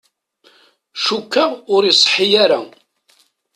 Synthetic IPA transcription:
ʃukːəʁʊɾjsˤħijaɾa

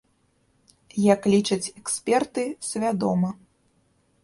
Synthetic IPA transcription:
jɐklʲit͡ʂɐt͡sʲɛksʲpʲɛrt̪ɨsʲvʲad̪ɔmɐ

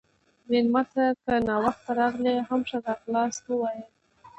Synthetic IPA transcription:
wenmat̪akənɑwaxt̪aɾɑɣleɦamʂad̪ɑqlɑst̪wəwɑjə

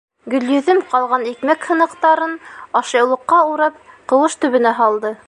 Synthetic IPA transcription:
ɡɵ̆ljɵ̆ðɘmqɑlˠʁɑnikmækhɤ̆nɤ̆qt̪ɑɾɤnɑʃɤ̆jlˠɤ̆qːɑuɾɑp̚qɤ̆wɤʃt̪ɵ̆βɘ̆næɦɑlˠd̪ɤ

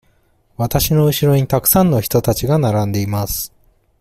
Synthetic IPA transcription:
βat̪aɕino̞ɯ̟ɕiɾo̞ɲ̟it̪akɯ̟̥sãnːo̞çi̥t̪o̞t̪at͡ɕiɡanaɾãnd̪e̞imasɨ̥

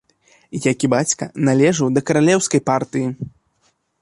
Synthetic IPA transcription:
ijakʲibat͡sʲkɐnalʲɛʐɨwd̪ɐkɐɾalʲɛwskɐjpart̪ɨji

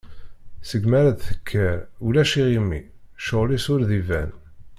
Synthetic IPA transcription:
səɡmæɾæðθə̥kʰːæɾulæʃiʁimːḭ | ʃəʁlisʊɾðivæ̰n

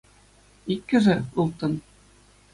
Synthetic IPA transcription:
ikːɘ̆ʐɘulˠt̪ɤ̆n

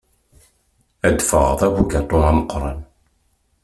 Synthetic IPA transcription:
æd̪fə̰ʁðˤæwuɡæt̪ˤonæməqːɾˤɑ̰n

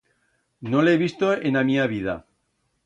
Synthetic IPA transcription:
noleβist̪oenamiaβiða̰

